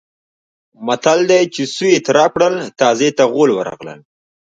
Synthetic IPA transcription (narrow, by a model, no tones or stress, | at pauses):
mat̪ald̪ajt͡ʃesuet̪ɾɑp̚kɽəlt̪ɑːzet̪aɣolwəɾɑ̰ɣlə̰l